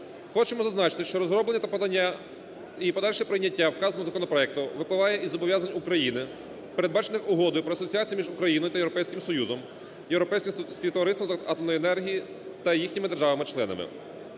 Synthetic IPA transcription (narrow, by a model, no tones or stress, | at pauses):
xɔt͡ʃemɔzɐznɑt͡ʃɪ̥t̪ɪʃt͡ʃɔɾɔzɾɔblenːɐt̪ɐpɔd̪ɐnʲːa | ipɔd̪ɑlʲʃɛpɾɪjnʲːɐtʲːawkɑznɔzɐkɔnɔpɾɔɛk̚t̪ʊʋɪplˠɪʋɑjɛʔizɔbɔʋʲjazɐnʲukɾɐjinɪ | peɾed̪bɑt͡ʃenɪxʊɦɔd̪ɔjʊpɾɔɐsɔt͡sʲiat͡sʲijimʲiʒʊkɾɐjinɔjʊt̪ɐjeɾɔpɛjsʲkʲɪmsɔjuzɔm | jewɾɔpɛjsʲkʲɪspʲit̪ɔɐɾɪsɔmɐt̪ɔmnɔjɛnɛrɦʲiji | t̪ɐjixʲnʲimɪd̪erʒɑʋɐmɪt͡ʃlˠɛnɐ̰mɪ̰